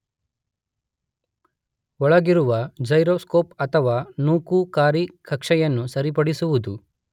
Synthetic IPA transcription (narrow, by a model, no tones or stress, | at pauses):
ɔɭɐɡiɾuʋɐd͡ʒɐjɾoːskoːpɐt̪ʰɐʋaːnuːkukaːɾikɐkʂɐjɐnːusɐɾipɐɽisuʋud̪u